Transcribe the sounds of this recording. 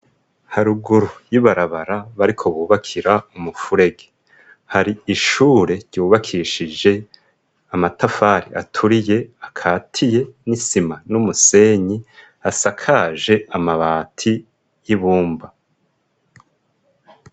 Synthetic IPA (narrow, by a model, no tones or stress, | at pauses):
haɾuɡuɾujiβaɾaβaɾaβaɾikʰo̞βuːβakʰiɾaumufuɾe̞ɡe | haɾiiʃuːɾe̞ɾɟuːβakʰiʃid͡ʒe̞ | amatafaːɾḭʔa̰tʰuɾije̞akʰaːtʰije̞nisimanumuse̞ːɲi | asakʰaʒe̞amaβaːtʰi | jiβuːmba